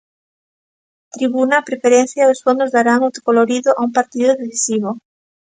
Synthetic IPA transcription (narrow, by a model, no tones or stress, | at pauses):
t̪ɾiβunɐpɾefeɾẽnθjaðosfond̪ozðaɾaŋowt̪o̥koloɾiðʊʔaumpaɾt̪iðʊðeθisiβo